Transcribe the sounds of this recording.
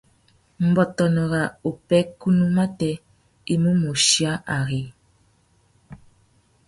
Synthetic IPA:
m̩˨bɔ˨tɔ˨nɔ˨ɣa˨o˨pɛ˦ku˦nu˦ma˦tɛ˦ | i˦mu˦mu˨ʃi˦a˦ʔa˨ɣe˨

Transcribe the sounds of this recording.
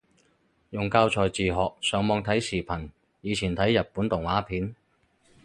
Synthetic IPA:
jʊ˨˩ŋkaː˧wt͡sʰɔː˨˩jt͡siː˨˩ɦɔː˨k̚sœː˨˥ŋmɔː˨˧ŋt̪ʰɐ˨˥jsiː˨˩pʰɐ˨˩n | jiː˨˧t͡sʰiː˨˩nt̪ʰɐ˨˥jːɐ˨t̚puː˨˥nt̪ʊ˨˩ŋwaː˨˥pʰiː˨˥n

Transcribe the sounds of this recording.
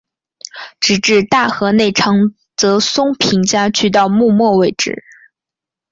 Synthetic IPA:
ʈ͡ʂɻ̩˧˩ʈ͡ʂɻ̩˥˧t̪a˥˩xɤ˧˥ne˥˩ɪʈ͡ʂʰɑ˧˥ŋ | t͡sɤ˧˥sʊ˥ŋpʰi˧˥ŋt͡ɕja˥t͡ɕʰy˥˧t̪̬ɑ˥˧ʊmu˥˧mwɔ˥˧we˥˩ɪʈ͡ʂɻ̩̰˥˩

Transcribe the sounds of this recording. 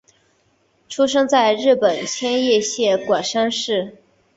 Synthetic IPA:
ʈ͡ʂʰu˥ʂ̬ɤ˥ŋt͡sa˥˧ɪɻɻ̩˥˩pə˨˩nt͡ɕʰjɛ˥njɛ˥˧ɕjɛ˥˩kwa˨˩nʂa˥nʂɻ̩˥˩

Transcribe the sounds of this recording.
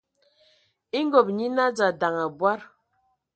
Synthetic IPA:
i˦ŋ˦ɡo˨p̚ɲi˦na˦d͡za˨da˨ŋa˨bwa˦ɾ

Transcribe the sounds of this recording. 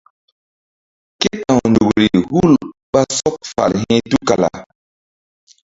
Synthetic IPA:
ke˦tã˨ndu˨ɾi˨hu˦lɓa˦sɔ˦k̚fa̰˨lɦɛ̃˦tu˦ka˨la̰˨

